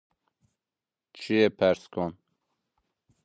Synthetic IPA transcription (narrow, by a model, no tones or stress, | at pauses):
t͡ʃʰijepʰɛɾskʰon